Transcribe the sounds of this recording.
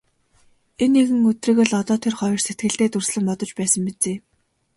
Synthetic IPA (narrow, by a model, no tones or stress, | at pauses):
enːeɣɘ̆ŋɵt̪rĭɣɘ̆ɮɔt̪ɔːt̪ʰerχɔjɞ̆rset̪ɡɘ̆ɬt̪eːt̪ɵrsɮɘ̆ŋpɔt̪ɞ̆t͡ɕpæːsə̆mpet͡seː